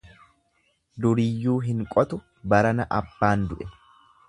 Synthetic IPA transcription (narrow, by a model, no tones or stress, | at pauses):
d̪ʊɾɪjːuːɦɪŋkʼɔt̪ʊ | bɐɾɐnɐʔɐbːaːnd̪ʊʔɛ